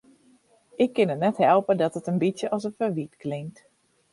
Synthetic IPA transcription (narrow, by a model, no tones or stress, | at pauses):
ʔɪkːɪnətnɛthɛlˠpədɔtətənbitsjəʔɔsəfəʋitklɪŋ̚t